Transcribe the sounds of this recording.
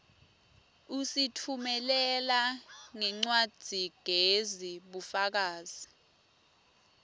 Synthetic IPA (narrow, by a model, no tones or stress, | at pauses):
usitʰumɛlɛlaŋɛŋ͡ǀwad̥ʱiɡ̥ʱeziɓufak̬aːz̥i